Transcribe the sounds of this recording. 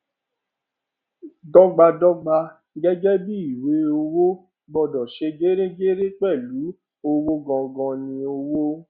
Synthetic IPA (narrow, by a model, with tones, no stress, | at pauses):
dɔ˦ɡ͡ba˧dɔ˦ɡ͡ba˧ | ɡɛ˦d͡ʒɛ˦bi˦i˨we˨˦o˧wo˦ | ɡ͡bɔ˧˨dɔ̃˨ʃe˧ɡe˦ɾe˦ɡe˦ɾe˦k͡pɛ˦˨lu˨˦ | o˧wo˦ɡɔ̃˧ɡɔ̃˧nĩ˧o˧wo˦